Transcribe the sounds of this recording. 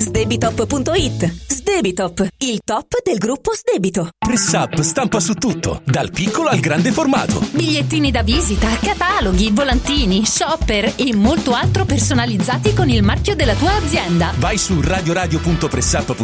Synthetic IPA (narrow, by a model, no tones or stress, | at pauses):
zd̪ebit̪ɔpːpunt̪oit̪ːzd̪eːbit̪ɔpːilt̪ɔpːd̪elɡɾupːozd̪eːbit̪opɾɛsapːst̪ampasut̪ːut̪ːo̰d̪alpikʰːoloalɡɾand̪eforma̰ːt̪o̰biʎːet̪ːiːnid̪aviːzit̪akat̪aːloɡivolant̪iːniʃɔpːeremːolt̪oalt̪ɾopersonalid̪zːaːt̪ikonilmarkjod̪elːat̪uːaːd̪zːjɛnd̪avajsuraːd̪joɾaːd̪jopunt̪opɾɛsapː